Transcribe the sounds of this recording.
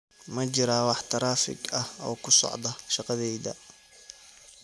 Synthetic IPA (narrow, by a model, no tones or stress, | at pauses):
mɐt͡ʃɪɾaːwɑħt̪ʰɐɾaːfɪ̰ɡɐhɔːkʰʊsɔ̰ʕd̪ɐʃɑqɑðɛjðɐ̰